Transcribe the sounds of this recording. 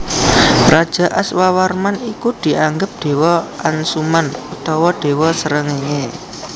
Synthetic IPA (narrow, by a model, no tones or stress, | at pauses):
rad̥ʒ̥a̤ʔaswawarmanikud̪̥i̤aŋɡəp̚d̪̥e̤wɔansumanut̪ɔwɔd̥e̤wɔsəɾəŋeŋe